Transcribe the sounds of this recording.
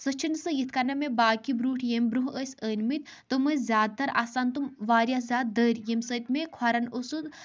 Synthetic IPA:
sət͡ʃʰinɨsɨjit̪ʰkɐnɐmebaːkibɾuːʈʰjemʲbɾuɦəːsʲəːnmit̪ | t̪ɨməzʲjaːd̪̚t̪ɐɾaːsant̪umʋaːɾjazʲaːd̪̚d̪əːɾʲjemsət̪ʲmekʰwɐɾɐnosut̪

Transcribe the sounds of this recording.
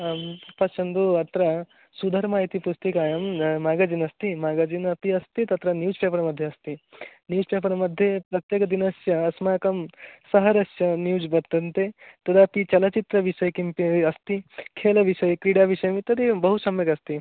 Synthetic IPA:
pɐt͡ʃʰɐnd̪uɐt̪ɾɐ | sud̪ʱɐɾmaːit̪ipust̪ikaːjɐmmaːɡaːd͡ʒiːnɐst̪imaːɡaːd͡ʒiːnɐpiɐst̪it̪ɐt̪ɾɐnjuːspeːpɐɾɐmɐd̪ʱjeɐst̪injuːd͡ʒpeːpɐɾɐmɐd̪ʱːjepɾɐt̪jeːkɐd̪inɐsjɐːsmaːkɐmsɐɦɐɾɐsjɐnjuːd͡ʒbɐɾt̪ːɐnt̪et̪ɐd̪aːpit͡ʃɐlɐt͡ʃit̪ɾɐʋiʃɐjkimpiɐst̪ikʰeːlɐʋiʃɐjkɾiːɽaːʋiʃɐjɐmit̪ɐt̪d̪ibɐɦusɐmjɐkɐst̪i

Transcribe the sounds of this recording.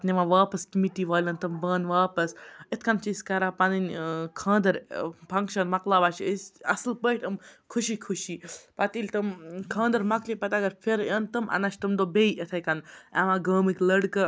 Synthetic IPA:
t̪nʲiʋãʋaːpɐskimiʈiʋaːlʲɐnt̪ɐmbaːnʋaːpɐsit̪ʰkɐnt͡ʃisʲkɐɾapɐninʲkʰãːnd̪ɐɾpʰɐŋkʃɐnmɐklaːbɐːt͡ʃisɐ̰slpəːʈʲɐmkʰuʃikʰuʃiːpɐt̪ilʲt̪ɐmkʰãːnd̪ɐɾmɐklʲipɐt̪ɐɡɐɾpʰeɾjɐːnt̪ɐmʔɐ̰nɐʃt̪ɐmd̪obeiʔɐt̪ʰɐkɐnaʋãɡəːmɨklɐɽkɐ

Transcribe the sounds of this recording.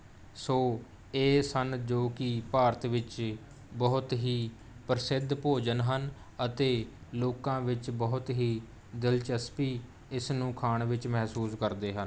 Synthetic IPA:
soː | eːsənd͡ʒoːkɪpaːɾt̪ʋɪt͡ʃ | bəɦʊt̪ɦiː | pəɾsɪd̪ʱpoːd͡ʒənɦən | ət̪eːloːkãːʋɪt͡ʃbəɦʊt̪ɦiː | d̪ɪlt͡ʃəspiː | ɪsnũːkʰaːɳʋɪt͡ʃmɛɦsuːskəɾd̪eːɦən

